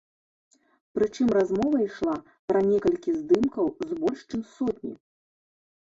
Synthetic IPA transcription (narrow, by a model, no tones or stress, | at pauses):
pɾɨt͡ʂɨmrazmɔvɐiʂlˠa | pɾɐnʲɛkɐlʲkʲizd̪ɨmkɐwzbɔlʲʂt͡ʂɨmsɔt̪ʲnʲḭ